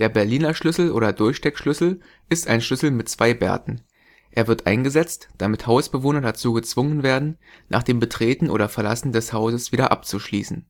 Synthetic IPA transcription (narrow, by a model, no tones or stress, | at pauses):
d̥eːɐbɛɐliːnɐʃlʏsl̩ʔoːɾɐdʊɐçʃtɛkʃlʏsl̩ | ʔɪstʔaɪnʃʏsl̩mɪtt͡sv̥aɪbɛ̰ɐtn̩ | ʔeːɐvɪɐtʔa̰ɪnɡəzɛt͡std̥amɪthaʊsb̥əvoːnɐdat͡suːɡət͡sv̥ʊŋənveːɐdn̩ | nʔa̰ːχd̥eːmbətʁ̥eːtn̩ʔo̰ːɾɐfɛɐla̰sn̩dɛshaʊzəsv̥iːɾɐʔa̰pt͡suʃlḭːsn̩